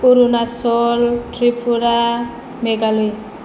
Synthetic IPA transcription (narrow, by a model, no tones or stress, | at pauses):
uɾunasɔltʰripʰuɾa | meɡaloj